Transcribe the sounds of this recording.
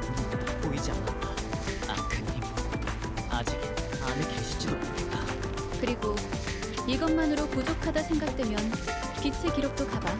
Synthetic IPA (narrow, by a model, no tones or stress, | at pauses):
nutop͈oid͡ʑia̰nat͈aa̰kʰɯnɡiɡ | ad͡ʑik | anekeɕʰi̥t͡ɕ͈ʰidopoɾet͈a | kɯɾiɡo | iɡʌnmanɯɾokod͡ʑokʰadasʰe̞ŋɡak̚t͈wemjʌn | kit͡ɕʰe̞ɡiɾok̚t͈okaba